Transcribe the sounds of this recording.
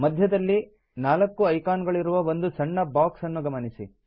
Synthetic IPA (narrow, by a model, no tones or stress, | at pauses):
mɐd̪ʱjɐd̪ɐlːi | naːlɐkːuɐjkaːnɡɐɭiɾuʋɐʋond̪ut͡ʃɐɳːɐbaːksɐnːuɡɐmɐnisi